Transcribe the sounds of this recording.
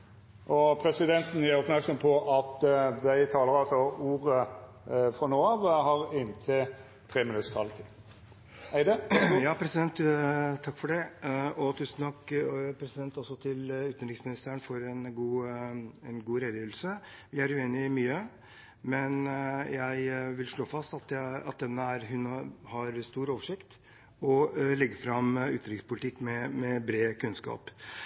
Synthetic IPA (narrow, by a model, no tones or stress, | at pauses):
ʔɔpʰɾɛsɪd̪ɛnt̪n̩æɾɔpmæɾksɔmpʰɔʔɑt̪d̪æɪt̪ʰɑːləɾɑlsɔuːɾə | fɾɔnoːɑʋhɑɾɪnt̪ʰɪ | t̪ʰɾeːmɪnʉt̪st̪ʰɑlt̪ʰɪ | æɪd̪ɛjɑːpʰɾɛsɪd̪ɛnt̪t̪ʰɑkːfɔɖɛɔt̪ʰʉsn̩t̪ʰɑkːpʰɾɛsɪd̪ɛnt̪ɔsɔt̪ʰɪlʉːt̪nɾɪksmɪnɪst̪æəɳfɔɾɛnɡuːɛnɡuːɾɛd̪əjiːʋl̩sə | ʋɪæɾʉeːnɪmyːə | mɛnjæɪʋɪlʂɭoːfɑst̪ɑt̪ɑ̰t̪̚d̪ɛnːəæɾɦʉnhɑɾst̪uːɾoːʋəʂɪkt̪ | ɔlɛɡəfɾɑmʉːt̪n̩ɾɪkspʊlɪt̪ʰɪkːmɛmɛbɾeːkʰʉnskɑ̰ːp